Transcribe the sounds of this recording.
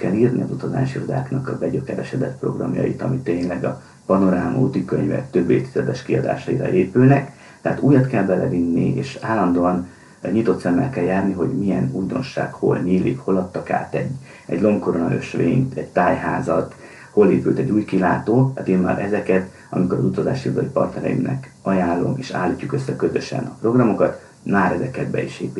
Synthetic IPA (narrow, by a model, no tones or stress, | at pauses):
kɛliːrniɒzut̪ɒza̰ːʃirod̪a̰ːknɒkɒbɛɟøkɛɾɛʃɛd̪ɛt̪pro̞̰ɡrɒ̰mjɒ̰jit̪ɒmit̪ːeːɲlɛɡɒ | pɒno̞ɾaːmʔo̰ːt̪ikøɲvɛ̰kt̪ø̞bːeːt̪ːizɛd̪ɛʃkiɒd̪a̰ːʃɒiɾɒ̰ʔeːpylnɛk | t̪ɛaːt̪uːjɒt̪kɛlbɛlɛvinːieːʃaːlːɒnd̪oːɒn | ɲit̪o̞t̪sɛmːɛ̰lkɛljaːrniɦo̞ɟmijɛnuːjd̪o̞̰nʃa̰ːɡholɲiːlːḭkho̞lɒt̪ːɒka̰ːt̪ɛɟː | ɛɟlo̞mko̞ɾo̞nɒø̰ʃʋeːɲt̪ɛɟt̪aːjɦaːzɒt̪ | ho̞leːpylt̪ɛɟːuːjkilaːt̪oːat̪iːnma̰ːɾʔɛzɛkɛt̪ | ɒ̰miko̞ɾɒzut̪ɒza̰ːʃiud̪ɒipɒrt̪nɛɾɛ̰jḭmnɛ̰k | ɒjaːlːo̞̰meːʃa̰ːlːiːcːukø̞sːɛkø̞zø̞ʃɛ̰nɒpro̞ɡrɒmo̞kɒt̪ | maːɾɛzɛkɛd̪bɛ̰iʃeːpi